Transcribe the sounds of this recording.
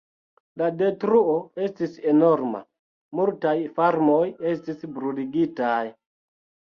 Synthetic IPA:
lade̞tɾuoe̞stise̞no̞ɾma̰ | multajfaɾmo̞je̞s̬tisbɾuliɡitaj

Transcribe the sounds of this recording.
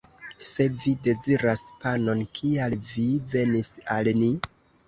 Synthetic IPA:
se̞vide̞ziɾaspano̞nkʰialvive̞nisalni

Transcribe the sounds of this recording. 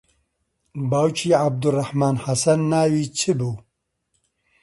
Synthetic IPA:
baːwt͡ʃʰiːʕab̚d̪urːɐħmaːnhasɐnːaːwiːt͡ɕʰɨbu

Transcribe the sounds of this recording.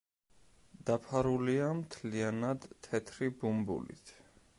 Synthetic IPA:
d̪̥apʰaɾuliamt̪ʰlianad̪t̪ʰɛt̪ʰɾibumbṵlḭt̪ʰ

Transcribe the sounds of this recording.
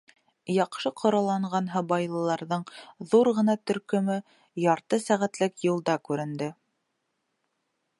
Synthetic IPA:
jɑqʃɤqʰŏɾɑlˠɑɴɢɑnɦɤbɑjlˠɤ̆lˠɑɾðɤɴðuɾʁɤ̆nɑt̪ɵ̆ɾkɵ̆mɵ | jɑɾt̪ɤsæʁæt̪lɘkjŭlˠd̪ɑkʉɾɘ̆nd̪ɘ

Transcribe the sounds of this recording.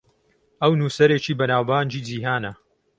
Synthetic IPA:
ʔɐwnuːsɐɾeːt͡ʃiːbɐnaːwbaːnd͡ʒiːd͡ziːɦaːnɐ

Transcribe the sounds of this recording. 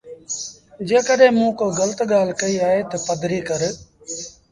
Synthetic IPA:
d͡ʒeːkəɗẽːmũːkoːɡələt̪ɠaːlkəiːaːeːt̪əpəd̪ʱɾiːkəɾ

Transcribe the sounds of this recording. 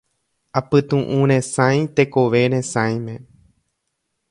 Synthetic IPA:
apɨt̪ũʔũɾ̃ẽsãj̃t̪e̞koʋe̞ɾẽ̞sãj̃mẽ̞

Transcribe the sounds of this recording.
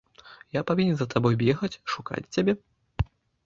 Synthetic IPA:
japavʲinʲɛnzɐt̪abɔjbʲɛxɐt͡sʲʂuka̰t͡sʲt͡sʲabʲɛ

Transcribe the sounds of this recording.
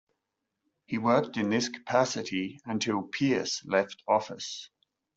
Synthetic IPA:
hiwɜˑk̚tɪ̃nðɪskʰə̥pʰasɪtʰiə̃ntʰɪlˠpʰiəslɛftʰɒfɪs

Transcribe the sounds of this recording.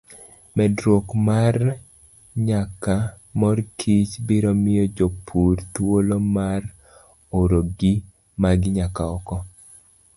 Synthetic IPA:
mɛdɾwokmar | ɲaka | mɔrkʰit͡ʃbɪɾɔmɪjɔd͡ʒopʰuɾt̪wolomar | oɾoɡɪ | maɡɪɲakaɔ̰kɔ

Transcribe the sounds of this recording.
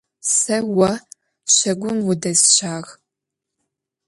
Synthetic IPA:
sɐwɐ | ɕɐɡʷʊnwʊdɐzɕaːʁ

